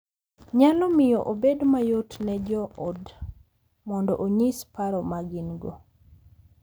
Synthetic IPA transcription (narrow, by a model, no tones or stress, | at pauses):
ɲalɔmɪjɔʔobedmajotnɛd͡ʒɔʔod | mɔndɔʔoɲispaɾɔmaɡinɡo̰